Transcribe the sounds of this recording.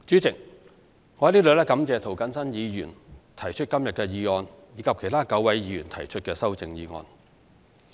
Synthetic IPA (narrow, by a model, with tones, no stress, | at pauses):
t͡syː˨˥t͡sɪ˨k̚ | ŋɔː˨˧ɐ˧˥liː˥lɵ˨˧lɛː˥kɐ˨˥mt͡sɛː˨˧t̪ʰo˨˩wkɐ˨˥nsɐ˥njiː˨˧jyː˨˩nt̪ʰɐ˨˩jt͡ʃʰɵ˥t̚kɐ˥mjɐ˨t̚kɛː˧jiː˨˧ŋɔː˧n | jiː˨˧kʰɐ˨p̚kʰjt̪ʰaː˥kɐ˨˥wwɐ˨˥jjiː˨˧jyː˨˩nt̪ʰɐ˨˩jt͡ʃʰɵ˥t̚kɛː˧sɐ˥wt͡sɪ˨ŋjiː˨˧ŋɔ̰ː˧n